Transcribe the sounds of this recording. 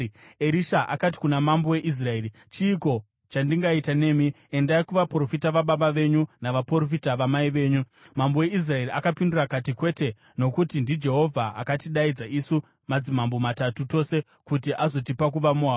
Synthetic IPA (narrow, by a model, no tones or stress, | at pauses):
eɾiʃaʔa̰kati̥kunamambowe̞ʔis̬raeːɾi | t͡ʃiːko̞ | t͡ʃandiŋɡaitane̞ːmi | endaikuʋapro̞fitaʋaɓaɓaʋe̞ɲunaʋaporofitaʋamaiʋe̞ːɲu | mambowe̞is̬rae̞riʔakapindurakatikwe̞te | no̞kutindid͡ʒe̞ɦo̞vʱaa̰katiɗaid͡zaʔisu | mad͡zimambo̞matatuto̞se̞ | kutiʔazo̞t̬ipak̬uʋamuɦaː